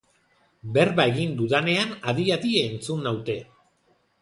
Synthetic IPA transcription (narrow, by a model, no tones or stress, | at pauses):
be̞ɾβae̞ɣind̪uðane̞anaðiat̪ieːnt͡sunːawt̪e̞